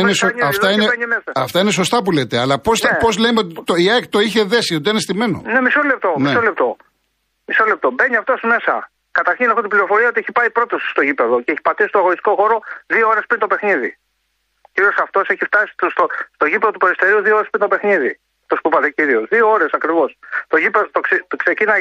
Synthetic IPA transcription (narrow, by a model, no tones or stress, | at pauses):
inesoɲɐɐineeɲimesɐɐft̪ɐineso̞st̪ɐpule̞t̪e̞ɐlɐpospo̞zlemeot̪it̪oiekt̪o̞içe̞ðe̞siot̪ienest̪ime̞no̞̰nemisolep̚t̪onmiesolep̚t̪o̞ | misolep̚t̪o̞be̞ɲiɐft̪o̞sme̞sɐ̰ | kɐt̪ɐɾçinexot̪ibliɾo̞fo̞ɾiɐot̪ieipɐipɾo̞t̪osst̪o̞ʝipe̞ðo̞ceeçi̥pɐt̪isist̪oɣoɾist̪i̥ko̞xo̞ɾo̞ðioo̞ɾe̞spɾint̪ope̞xniði | ciɾio̞sɐft̪o̞se̞çift̪ɐsi̥t̪st̪ost̪o̞ʝipeðo̞t̪upeɾist̪e̞ɾiuðiooɾspint̪opexniði | ɐft̪ospuipɐt̪eciɾio̞sðiooɾe̞sɐkɾivo̞st̪o̞ʝipe̞ðot̪okseksecinɐ